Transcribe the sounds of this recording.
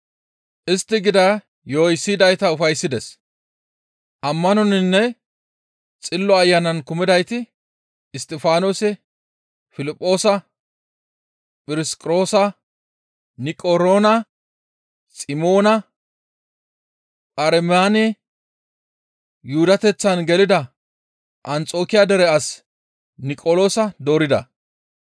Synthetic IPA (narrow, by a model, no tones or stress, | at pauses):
ʔɪst̪ːɪɡɪd̪ɐ | joːjsːid̪ɐjt̪ɐʊfɐjsːɪd̪ɛs | ʔɐmːɐnɔnɪnːɛ | t͡sʼɪlːɔɐjːɐnɐnkʊmɪd̪ɐjt̪ɪː | st̪ʼɪfaːnoːsɛ | fɪlɪpʼːo̞ːsɐ | pʼɪɾɪskʼɾo̞ːsɐ | nɪkʼoɾo̞ːnɐ | sʼɪmo̞ːnɐ | pʼɐɾɛmjaːnɛ | juːd̪ɐt̪ɛt͡sːɐnɡɛlɪd̪ɐ | ʔɐnt͡sʼo̞ːkɪjad̪ɛɾɛɐs | nɪkʼolo̞ːsɐd̪o̞ːɾɪd̪ɐ̰